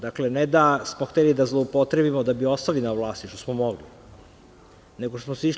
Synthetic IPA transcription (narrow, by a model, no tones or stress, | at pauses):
d̪akle̞ned̪asmoxt̪elid̪azlˠoupo̞t̪ɾe̞bimod̪abio̞st̪alinaʋlˠaːst̪iʃt̪osmomo̞ɡli | neɡoʃt̪osmosiʃ